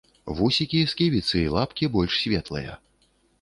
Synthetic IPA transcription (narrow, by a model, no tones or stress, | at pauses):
vusʲikʲijɛskʲivʲit̪sɨilˠapkʲibɔlʲʂsʲvʲɛt̪lˠɐ̰jɐ̰